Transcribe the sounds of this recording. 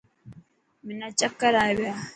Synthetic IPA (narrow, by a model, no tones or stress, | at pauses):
minat͡ʃakːaɾaβia